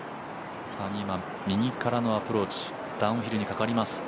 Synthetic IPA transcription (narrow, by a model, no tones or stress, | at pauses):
saɲiːmã | mʲiɲ̟ikaɾano̞apɯ̟ɾo̞ːt͡ɕi̥ | d̪̥ãɯ̃çiɾɯ̟ɲ̟ikakaɾʲimasɨ̥